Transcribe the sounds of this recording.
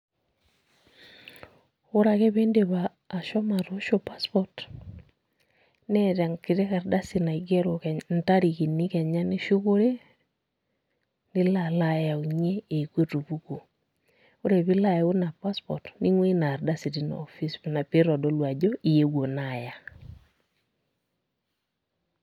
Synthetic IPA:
o˦ɾa˨ke˦βe˦ndeβaː˨ | ʃo˦ma˨toʃopa˦spot | neɾa˨ŋki˨ɾe˦ka˨ɾda˦sina˨iɡe˦ɾo˨ke˨nta˦ɾi˨ki˨ni˦ke˨ɲa˦ni˦ʃu˦ko˦ɾe˦ | ni˦lalaja˨u˨ɲeː˦˨kwe˦tu˨βuko˨ | o˦ɾe˨βi˦la˨jo˦na˨pa˦spo̰˨tni˦ŋwe˦na˨ɾda˦si˨ɾina̰ofisna˨pe˦ɾo˨do˦lwa˨d͡ʒo˦ʔi˨je˦ɣwo˨naja˨

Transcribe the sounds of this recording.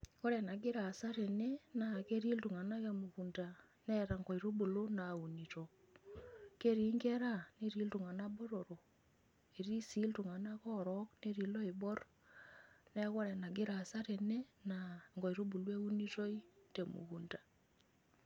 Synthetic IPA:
ko˦ɾɛ˨na˨ɡɪ˦ɾa˨sa˦ɾe˨ne˦na˨ke˦ɾi˦ltu˨ŋa˨na˦ke˨mu˨ku˨nda˨ | nɛ˦ɾa˨ŋɡɔ˨i˨ɾo˦bu˨lo˦na˨u˨ni˨to˨ | ke˦ɾi˨˦ŋɡɛ˦ɾa˦ne˦ɾi˨˦ltu˨ŋa˨na˦bo˦ɾo˨ɾo˨ | e˨ɾi˦si˦ltu˨ŋa˨na˦kɔ˦ɾɔkne˦ɾi˨lɔ˦i˨bɔ˦r | nɛ˦kɔ˦ɾɛ˨na˨ɡɪ˦ɾa˨sa˦ɾe˨ne˦naŋɡɔ˨i˨ɾo˦bu˨lwe˦u˦ni˦to˦i˦te˨mṵ˨ku˨ndḁ˨

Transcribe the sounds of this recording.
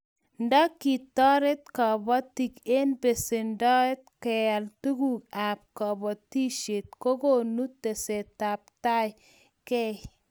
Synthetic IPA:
nda˦kːi˨t̪ɔ˦ɾe˦t̪̚kɔ˨bɔ˦t̪i˨ke˦nbe˨se˨ndɔ˦e˦t̪̚kɛ˨a˨ltu˦ɡu˦ka˨p̚kɔ˨bɔ˨t̪i˦ʃe˨t̪̚ko˦ɡo˦nu˦t̪ːe˨se˨t̪a˨p̚t̪a˦j | kɛ˦

